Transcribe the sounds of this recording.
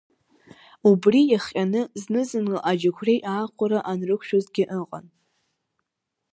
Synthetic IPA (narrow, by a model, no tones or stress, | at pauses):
ubrijaχʲʼanɨznɨzɨnɨʔad͡ʒakʷʰrejʔaːqʷʊɾaʔanrɨkʷʰʃᶣozɡʲɪʔəqʼa̰n